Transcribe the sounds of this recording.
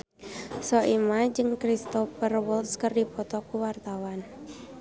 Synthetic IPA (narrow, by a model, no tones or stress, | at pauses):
sɔʔimad͡ʒɨŋkɾist̪ɔfərwɔlskərdipɔt̪ɔkuwart̪awan